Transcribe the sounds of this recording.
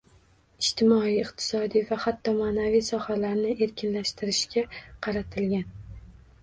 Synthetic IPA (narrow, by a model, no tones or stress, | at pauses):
ɪʃt̪ʰɪmɒijɪqt̪ʰɪ̥sɒd̪ijvahat̪ʰːɒmaːnavijsɒhalaɾnɪʔe̞ɾkʲʰɪnlaʃt̪ʰɪɾɪʃkʲʰaqʰɑɾat̪ʰɪlɡʲan